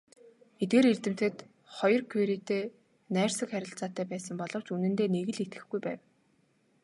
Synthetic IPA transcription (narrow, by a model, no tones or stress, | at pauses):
et̪̚ɡeːɾert̪ɘ̆m̥t̪ɘ̆t̪ | χɔjɞ̆rkʰuɾit̪eː | næːrsə̆kχæɾʲɪ̆ɬt͡saːt̪ːæːpæːsə̆mpɔɮɞ̆w̥t͡ɕunɘ̆nt̪eːneɣɘ̆ɮet̪ɡɘ̆xɡujpæːw